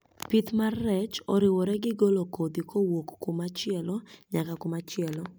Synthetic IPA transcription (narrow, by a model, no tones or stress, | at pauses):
pit̪marɛt͡ʃɔɾɪwɔɾɛɡɪɡolokod̪ikʰowokːʊmat͡ʃɪɛlɔɲakakʊmat͡ʃɪɛlɔ